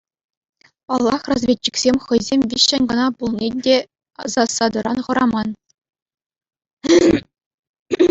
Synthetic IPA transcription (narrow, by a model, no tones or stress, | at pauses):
pɑlˠːɑ̰χrɑzvʲetʲːi̥kʲsʲemʲχɤ̆jzʲemʲvʲiɕːɘ̆nʲɡɤ̆nɑpulˠnʲedʲe | ɑ̰zɑsːɑd̪ɤ̆ɾʔɑnχɤ̆ɾɑmɑn